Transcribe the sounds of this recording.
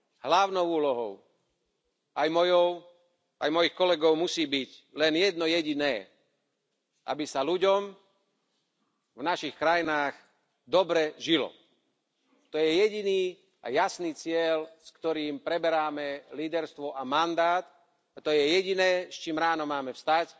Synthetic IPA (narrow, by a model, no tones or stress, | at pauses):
ɦlaʊnɔʊuːlɔɦɔ̰ʊ | ajmɔjɔʊ | ʔajmɔjixkɔlɛɡɔʊmusiːbiclɛnjɛd̪nɔjɛɟinɛː | ʔa̰bisaluɟɔm | vnaʃixkɾajinaːɣ | d̪ɔbɾɛʒilɔ̰ | t̪ɔjɛjɛɟiniː | a̰jasniːt͡sɪɛlskt̪ɔɾiːmpɾɛbɛɾaːmɛliːd̪ɛɾst̪ʋɔʔamand̪aːt̪ | at̪ɔjɛjɛɟinɛːst͡ʃiːmɾaːnɔmaːmɛfst̪ac